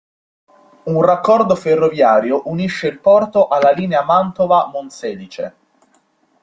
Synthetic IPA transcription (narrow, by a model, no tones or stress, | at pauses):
unrakːɔrd̪oferːovjaːɾjoʔuniʃːeilpɔrt̪oʔalːaliːneamant̪ovamonsɛːlit͡ʃḛ